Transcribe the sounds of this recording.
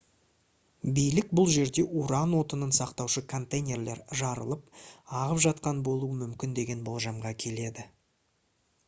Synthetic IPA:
bijlɪk̚bʊlˠʒe̞ɾd̪e̞ʔuɾɑnwo̞t̪ənənsɑqt̪ɑwʃəkʰo̞nt̪ejnʲe̞rle̞̰ɾʒɑɾə̰lˠəpɑʁəpʒɑt̪̚qɑnbo̞lˠuəmʏmkʲɪnd̪e̞ɡʲe̞nbo̞lˠʒɑmʁɑkʲʰe̞le̞d̪ɪ

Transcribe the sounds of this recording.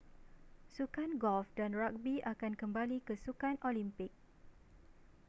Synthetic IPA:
sukanɡɔlfdanrak̚biakankəmbalikəsukanʔolimpɪk̚

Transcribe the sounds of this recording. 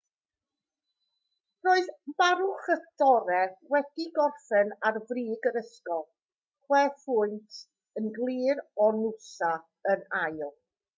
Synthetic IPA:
roːɨðmaɾʊχədɔɾɛwɛd̥iɡɔrfɛnarvriːɡəɾəskɔlˠ | χwɛfʊɨntʰ | ənɡlˠiːɾɔnusa | ənajlˠ

